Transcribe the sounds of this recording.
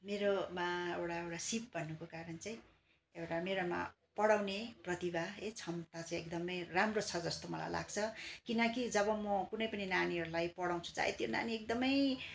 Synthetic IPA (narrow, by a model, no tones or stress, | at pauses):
meɾomaḛwʈaewʈasip̚bʱʌnːukokaɾʌnt͡saĩ | ewʈameɾoma̰ | pʌɽawneprʌt̪ibʱaet͡sʰʌmt̪at͡saĩek̚d̪ʌmʌjramrot͡sʰʌd͡zʌst̪omʌla̰jla̰ɡt͡sʰʌkinʌkid͡zʌbʌmʌkunʌjpʌninaniɦʌɾulajpʌɽaw̃t͡sʰu̥t͡sa̰ḛt̪jona̰niek̚d̪ʌmʌj